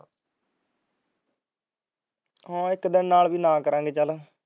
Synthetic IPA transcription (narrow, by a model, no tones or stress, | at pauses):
ɦãːɪkd̪ɪnːaːlʋiːnãːkəɾãːŋɡeːt͡ʃəl